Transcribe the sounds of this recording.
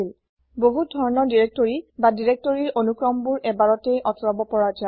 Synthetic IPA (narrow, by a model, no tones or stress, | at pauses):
il | boɦudʱɔɹɔnɔɹdiɹek̚toɹibadiɹek̚toɹiɹonukɹɔmbuɹʔɛbaɹɔtejʔɔtʰɔɹɔbɔpɔɹad͡ʒa